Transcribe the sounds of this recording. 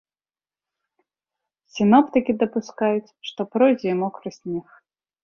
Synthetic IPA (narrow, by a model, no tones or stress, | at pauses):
sʲinɔpt̪ɨkʲid̪ɐpuskajut͡sʲʂt̪ɔpɾɔjzʲɛimɔkɾɨsʲnʲɛx